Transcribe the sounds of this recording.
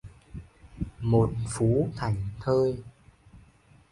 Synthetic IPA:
mo˨˩t̚fu˨˦kʰa˨˧˩jŋ̟t̪ʰəː˧j

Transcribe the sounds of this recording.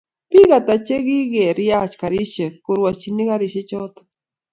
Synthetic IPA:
pi˦ɣa˨t̪a˨t͡ʃe˦ɣi˦ɣe˨ɾi˦a˦t͡ʃka˨ɾi˦ʃe˨kʊ˨ɾwa˨t͡ʃi˨ni˦ɣa˦ɾi˨ʃe˦t͡ʃɔ˦t̪ḁ

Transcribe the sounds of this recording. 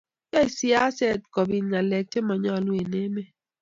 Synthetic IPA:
ja˦i˨si˦a˦sɛ˦˨t̚kɔ˨bi˨nŋa˨lɛ˨k̚te˦mɔ˨ɲɔ˦˨lwe˨ne˦me˦

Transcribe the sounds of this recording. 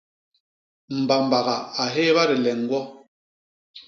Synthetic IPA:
m̩˨ba˨m̩˨ba˨ɣa˨a˨ɦeː˦βa˦ɾɛ˨lɛ˨ŋ̩˦ɡwɔ˦

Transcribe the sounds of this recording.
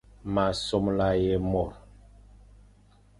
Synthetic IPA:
ma˨so˦mla˦je˦mɔ˨ɾ

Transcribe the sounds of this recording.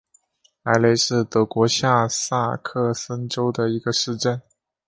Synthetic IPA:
a˧˥ɪle˧˥ɪʂɻ̩˥˩t̪ɤ˧˥kwɔ˧˥ɕja˥˧sa˥˩kʰɤ˥˩sə˥nʈ͡ʂo˥ʊd̪ə˨i˧˥ɡə˧ʂɻ̩˥˧ʈ͡ʂə˥˩n

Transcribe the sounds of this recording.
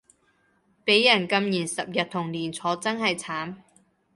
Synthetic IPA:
pe˨˥jːɐ˨˩nkɐ˧mjiː˨˩nsɐ˨p̚jɐ˨t̚t̪ʰʊ˨˩ŋliː˨˩nt͡sʰɔː˨˥t͡sɐ˥nhɐ˨jt͡sʰaː˨˥n

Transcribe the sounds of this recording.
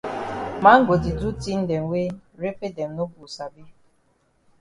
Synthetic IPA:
ma˨˦ŋ̩˦ɡo˨dɪ˨du˦ti˦n̩˦de˨ŋ̩˨wʷe˦ɾe˦fe˦de˨n̩˨no˦bu˨sa˨bi˦

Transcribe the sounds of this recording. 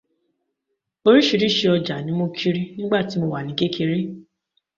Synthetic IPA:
o˧ɾi˦ʃi˧ɾi˦ʃe˧ɔ˧d͡ʒa˨nĩ˨˦mo˧kʰi˦ɾi˦nĩ˦ɡ͡ba˦˨ti˨˦mo˧wa˨nĩ˨˦ɡe˦kʰe˧ɾi˦

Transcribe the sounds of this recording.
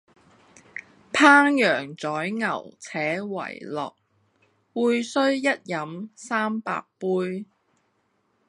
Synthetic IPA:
pʰaː˥ŋjœː˨˩ŋt͡sɔː˨˥jŋɐ˨˩wt͡sʰɛː˨˥wɐ̰˨˩jlɔ̰ː˨k̚ | wuː˨˧jsɵ˥ɥjɐ˥t̚jɐ˨˥msaː˥mpa̰ː˧k̚puː˥j

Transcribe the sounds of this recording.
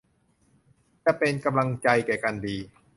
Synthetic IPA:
t͡ɕa˧˩pe˧nka˧mla˧ŋt͡ɕa˧jkɛː˨˩kaː˧ndiː˧

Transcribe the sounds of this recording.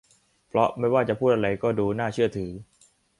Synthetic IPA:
pʰlɔ˦˥ma˥˩jwaː˥˩t͡ɕa˨˩pʰuː˥˩t̪ʔa˧ɾa˧jkɔː˥˩duː˧naː˥˩t͡ɕʰɯ˥˩ɐt̪ʰɯː˩˦

